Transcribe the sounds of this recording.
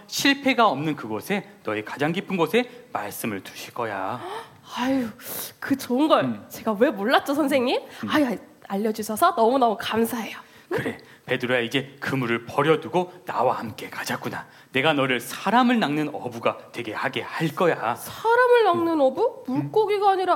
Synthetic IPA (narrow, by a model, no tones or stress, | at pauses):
ɕʰiɭpʰe̞ɡaʌmnɯnkɯɡʌsʰe̞nʌekḁd͡ʑaŋɡipʰɯnɡosʰe̞maɭs͈ɯmɯɭtu̥ɕʰiɭk͈ʌja | ajkɯt͡ɕʌnɡʌɭt͡ɕe̞ɡawe̞moɭːat̚t͡ɕ͈ʌsʰʌnsʰeŋɲimajaaʎːʌd͡ʑisʰʌsʰʌnʌmunʌmukamsʰaɦe̞jo | kɯɾe̞ | pe̞dɯɾojaid͡ʑe̞kɯmuɾɯɭpʌɾjʌduɡonawahamk͈e̞kad͡ʑak͈una | ne̞ɡanʌɾɯɭsʰaɾamɯɭnaŋnɯnʌbuɡatwe̞ɡe̞haɡe̞haɭk͈ʌjasʰaɾamɯɭnaŋnɯnʌbumuɭk͈oɡiɡaːɲiɾa